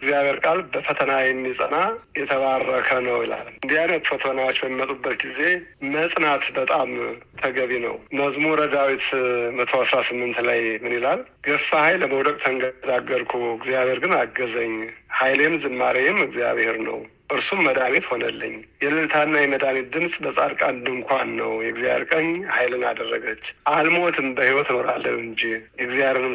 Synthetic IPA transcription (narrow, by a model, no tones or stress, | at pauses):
ɡzijaβheɾkʼalbəfət̪ʰənajɛmːisʼə̰najɛt̪ʰəβarːəkʰənəwḭla̰lɨnd̪ihajnət̪fət̪ʰənawo̞t͡ʃːbəmːimət̪ʼubːət̪ɡize̞məsʼnat̪bət̪ʼamt̪ʰəɡəβinə̰wməzmuɾəd̪awit̪ɨmət̪ʰoasɾasɨmːɨnt̪lajmɨnilal | ɡ̥əfːahajlːəməwd̪əkʼt̪ʰəŋɡəd̪aɡːəɾkʰuɨɡzijaβhe̞ɾɡɨnaɡəzəɲːhajlemzɨmːaɾeɛmɨɡzija̰βheɾnə̰w | ʔɨɾsumːəd̪aβet̪ho̞nəlːə̰ɲːjɛlɨlt̪ʰanːajɛməd̪anet̪̚d̪ɨmsʼbəsʼaɾkʼand̪ɨŋkʰʷanːə̰wjɛɡzija̰βḛɾkʼəɲːhajlɨna̰d̪ərːəɡət͡ʃːʔalmot̪ʰɨmbəhiwɔt̪no̞ɾa̰lːə̰lɨɲd͡ʒijɛɡzjaeeɾɨm